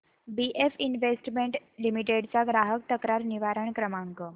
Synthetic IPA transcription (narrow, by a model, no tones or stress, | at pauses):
biʔefinʋesʈmeɳʈlimiʈ̬eɽt͡saɡɾaɦək̚t̪əkɾaɾniʋaɾəɳkɾəmaŋkə